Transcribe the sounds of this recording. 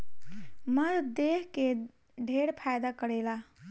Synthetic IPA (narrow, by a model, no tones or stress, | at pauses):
məɾd̪eɦke | ɖʱeɽpʰajd̪akəɽela